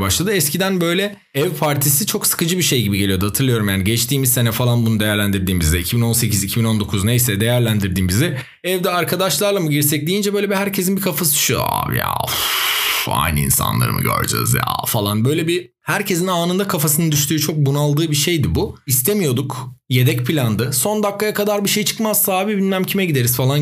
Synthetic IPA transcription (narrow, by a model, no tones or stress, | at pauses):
baʃlˠad̪ɯɛscʰid̪ænbø̞jlʲɛ | ɛvpʰaɾt̪ʰisit͡ʃʰo̞ksɯ̥kɯd͡ʒɯbiʃe̞jɟibiɟelʲijo̞d̪uhat̪ʰɯɾlˠɯjo̞ɾumjaːniɟɛt͡ʃt̪ʰiːmizse̞nɛfalˠanbunud̪ejæɾlʲænd̪iɾd̪iːnbizɛicʰibino̞nse̞cizicʰibino̞nd̪o̞kʰuznejsɛd̪e̞jæɾlʲænd̪iɾd̪iːnbizɛ | ɛvd̪ɛaɾkʰad̪aʃlˠaɾlˠamɯɟiɾsɛc̚d̪ijind͡ʒɛbøjlʲɛiɦæɾcʰe̞zinbikʰafasɯy̥ʃua̰ːv̰ja̰ | a̰jnḭnsa̰nlˠa̰ɾɯ̰ʔɯ̰ɟø̰ɾd͡ʒa̰zja̰falˠanbø̞jlʲebi | hæɾcʰe̞zinaːnɯnd̪akʰafasɯnɯnd̪yʃt̪ʰyːt͡ʃʰo̞k̚bunalˠd̪ɯːbiʃe̞jd̪ibuist̪ʰemijo̞d̪ukje̞d̪ɛcpʰilʲand̪ɯso̞nd̪akːajakʰad̪aɾbiʃe̞jit͡ʃʰɯ̥kmaz̥saːbibinːæmcʰimɛɟid̪e̞ɾiz̥falˠan